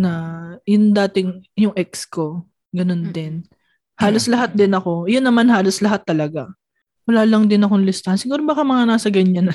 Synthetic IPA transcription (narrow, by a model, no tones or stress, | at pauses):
nɐjʊnd̪aːt̪ɪŋjʊŋʔɛk̚sko̞ | ɡɐno̞nd̪ɪn | haːlo̞slɐɦat̪̚d̪ɪnɐko̞jʊnːɐmanɦaːlo̞slɐɦat̪ːɐlɐɡa | wɐlaːlɐŋd̪ɪnɐkonlɪst̪ɐansɪɡuːɾobaːkamɐŋanaːsɐɡɐɲːanɐ